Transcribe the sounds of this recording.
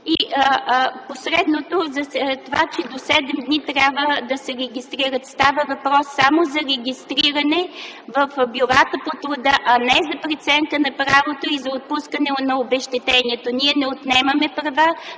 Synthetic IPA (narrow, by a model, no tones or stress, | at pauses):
i | posɾɛd̪not̪ozɐst̪ovat͡ʃɛd̪osɛd̪ɛmd̪nit̪ɾʲabvəd̪ɐsɛɾɛɡʲist̪ɾiɾət̪st̪avəvɐpɾɔsːamozɐɾɛɡʲist̪ɾiɾɐnɛvɐfbjʊɾat̪əpot̪ɾʊd̪əʔɐnɛzɐpɾit̪sɛŋkənɐpɾavot̪oizɐot̪̚puskənɛnɐobɛʃt̪ɛt̪ɛniɛt̪oniɛnɛot̪nɛmɐmɛpɾɐva